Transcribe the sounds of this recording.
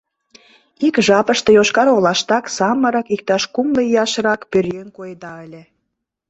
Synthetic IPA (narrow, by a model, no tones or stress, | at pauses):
ikʒɑpə̆ʃt̪e̽joʃkɑɾolɑʃt̪ɑksɑməɾɑkik̚t̪ɑʃkumləijɑʃɾɑkpørjønkojd̪ɑəlʲĕ